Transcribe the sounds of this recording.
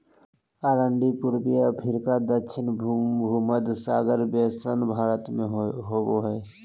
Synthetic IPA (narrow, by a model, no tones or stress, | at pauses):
aːɾəɳɖipʊɾbijapʰɪɾkad̪əkʃʰɪnbʱbʱuməd̪saːɡəɾbeːsənbʱaːɾət̪mẽɦoːboɦɛː